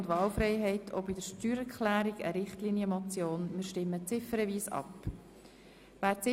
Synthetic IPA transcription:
ndʋɑːlfɾɛɪɦɛɪtʰo̰bidəʃtyːɾɛkχlæːɾiɡə̰ɾɪχtliːnjəmɔt͡sjoːnmɪːɾʃtɪmːət͡sɪfəɾəviːsɑ̰p | ʋæːt͡sɪ

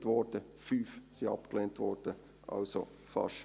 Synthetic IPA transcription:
tʋɔːrd̥ə | fyːfsiɑ̰pklentʋɔːrd̥ə | ʔɑ̰lso̰ | fɑ̰ʃ

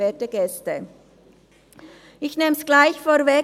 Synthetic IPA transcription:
eːtəɡɛstə | ʔɪçneːmsɡ̥laɪçfoːvɛ

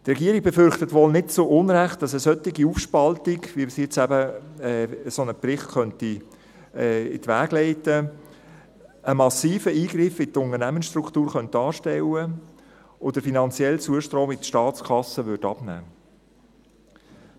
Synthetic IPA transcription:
t̪rɛɡiːəɾiɡ̥̚bɛfʏɾχtətʋoːlnɪtt͡soʔʊnɾæχt̚d̥ɑsəsœt̪ːiɡiufʃpɑltiɡʋimsɛt͡sæbəɛsonəprɪχtkœnti | ɪ̰tʋæːɡlɛɪtə | əmɑsiːfəiːɡɾɪfɪt̪ʊnərnæmənsʃtrukt̪uːɾχœnt̚dɑːɾʃtɛwə | ʔod̪əfinɑnt͡sjɛlt͡suəʃtɾoːmɪtʃtɑːt͡skʰɑsəʋʏɾdɑb̥næ̰ː

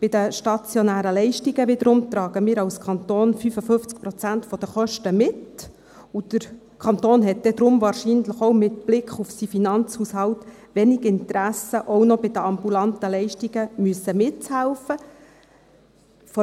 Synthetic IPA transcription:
b̥ɪd̥̪əʃtɑt͡sjɔnæːɾəlɛɪʃtiɡəʋɪd̪əɾʊmt̪ɾɑːɡ̥əmiːɾɑwskʰɑnt̪oːnfyfəfɵft͡sk̚pɾɔt͡sæntfɔd̥̪əχœʃtəmɪt | ud̥̪əɾ | kʰɑnt̪oːnɦɛt̚d̥ɛd̪ɾʊmvɑːɾʃinləχɔwmɪt̪b̥lɪkχufsifinɑnt͡shushɑwt | ʋɛniɡɪnt̪ɾæsəʔɔwnɔbɪd̪əɑmbulɑnt̪əlɛɪʃtiɡ̥əmyəsːəmɪtt͡shælfə | fɔ

